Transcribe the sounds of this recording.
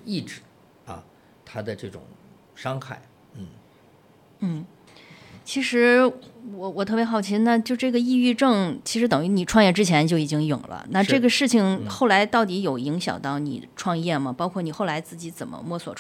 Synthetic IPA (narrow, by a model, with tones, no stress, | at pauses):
i˥˩ʈ͡ʂɻ̩˧˩˦ | ɐ̰˧ | t̪ʰa˥d̪ə˨ʈ͡ʂɤ˥˩ʈ͡ʂʊ̰˨˩˦ŋ | ʂɑ˥ŋxa̰˥˩ɪ | n̩˥˩ | n̩˥˩ | t͡ɕʰi˧˥ʂɻ̩˧˥wɔ˨˧˩wɔ˨˩t̪ʰɤ˥˩pjɛ˧˥xɑ˨˩ʊt͡ɕʰi˥na˥˧t͡ɕjo˥˧ʊʈ͡ʂɤ˥˩ɡə˩i˥˧y˥˧ʈ͡ʂɤ˥˩ŋt͡ɕʰi˧˥ʂɻ̩˧˥t̪̬ɤ˨˩ŋy˧˥ni˨˩ʈ͡ʂʰwɑ˥˧ŋjɛ˥˧ʈ͡ʂɻ̩˥t͡ɕʰjɛ˧˥nt͡ɕjo˥˩ʊi˨˩t͡ɕi˥ŋjʊ̰˨˩ŋlə̰˦na˥˧ʈ͡ʂɤ˥˩ɡə˩ʂɻ̩˥˩t͡ɕʰi˩ŋxo˥˩ʊla˧˥ɪt̪ɑ˥˩ʊt̪̬i˧˥jo˨˩ʊi˧˥ŋɕjɑ̰˨˩ŋt̪ɑ˥˩ʊnḭ˨˩ʈ͡ʂʰwɑ˥˧ŋjɛ˥˩mɐ˩pɑ˥ʊkʰwɔ˥˩ni˨˩xo˥˩ʊla˧˥ɪt͡sɹ̩˥˩t͡ɕi˧˥t͡sə̰˨˩nmə̰˦mwɔ˥˩swɔ̰˨˩ʈ͡ʂʰ